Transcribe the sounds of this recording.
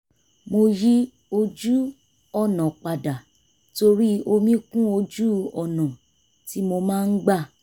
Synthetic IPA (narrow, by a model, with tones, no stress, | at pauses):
mo˧ji˦ | o˧d͡ʒu˦ | ɔ˦˨nã˨k͡pa˨da˨ | to˧ɾi˦o˧mĩ˦kũ˦o˧d͡ʒu˦ɔ˨nã˨ | ti˨˦mo˧mãː˦˧n̩˦ɡ͡ba˦˨